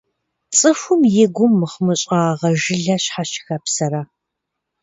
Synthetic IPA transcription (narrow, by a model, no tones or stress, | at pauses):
t͡sʼɨfʷʊmjɪɡʷʊmːɨχmɨɕʼaːʁɐʒɪɮɐɕħaʃʰɪ̥xɐpsɐɾa